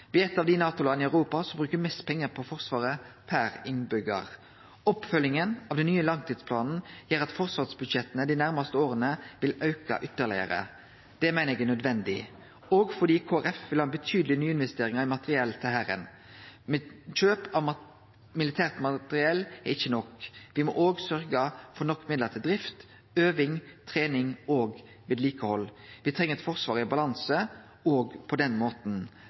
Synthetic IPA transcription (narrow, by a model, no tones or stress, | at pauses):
ʋɛɛt̪ːɑʋd̪ɪnɑːt̪ʊlɑd̪nɪæʉɾuːpɑsɔmbɾʉːkəmɛst̪pʰɛŋːəpʰɔfɔʁsʋɑːɾəpʰæɾɪŋbʏɡɑ̰ʁ | ɔpfœlːɪŋənɑʋd̪ɛnːyːəlɑŋt̪ʰiːd̪spʰlɑːnn̩jiːɾɑt̪fɔʁsʋɑːʁsbʉd̪ʃɛt̪ːənəd̪ɪnæɾmɑst̪əoːʁənəʋɪlɑʉkɑ̰ʔʏt̪ːəʁlɪ̰ə̰ɾə̰ | d̪̥ɛmæɪnəɛɡɛnœd̪ʋɛnd̪ɪ̰ | ɔɡfɔʁd̪iːkʰoːæɾɛfʋɪlhɑːbət̪ʰyːd̪lɪnyːəɪnʋɛst̪eːɾɪŋɑɪmɑt̪əʁɪɛlt̪ʰɪlhæɾə̰n | mɛc͡çøːpɑʋ | mɪlɪt̪ʰæːʁt̪mɑt̪əɾɪɛlːɛɾɪçːənɔkʋɪmɔ̰ʔoːɡsœɾɡəfɔɾnɔkːmɪd̪ləʁt̪ʰɪld̪ɾɪft̪ | øːʋɪŋt̪ʰʁeːnɪŋoːɡ | ʋeːd̪liːkəhɔlʋɪt̪ʰʁɛŋːəɾɛt̪fɔʁsʋɑːɾɪbɑlɑnsə | oːɡpʰɔd̪ɛnmoːt̪n̩